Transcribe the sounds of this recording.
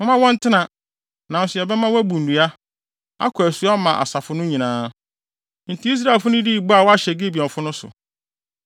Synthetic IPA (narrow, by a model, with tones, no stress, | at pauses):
mɪ̃˦mã˦wɔ̃˦n̩˦tʰɪ˦nã˨ | nã˨sɪ˨ɛ˨bɛ˦mã˦wæ˦bũ˨n̩˨u˨a˦ | a̰˦kʰæ˨su˨˦a˦mã˨ʔa̰˨sa˨fʊ˦nʊ̃˦ɲĩ˨nãː˦ | n̩˨tʰi˦i˦s̬ɾa˦e˨fʊ˦nʊ̃˦di˦˨bu˦a˨wɔ˦a˦ɕɛ˨ɡe˦bi˨ɔ̃˨mfʊ˦nʊ̃˦sʊ̰˨